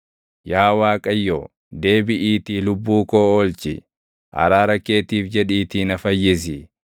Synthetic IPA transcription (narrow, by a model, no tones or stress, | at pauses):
jaːwaːkʼɐjːoː | d̪e̞ːbɪʔiːt̪iːlʊbːuːkoːɔlt͡ʃɪ̰ | ʔɐ̰ɾaːɾɐkːe̞ːt̪iːfd͡ʒɛᶑiːt̪iːnɐfɐjːɪs̬ɪ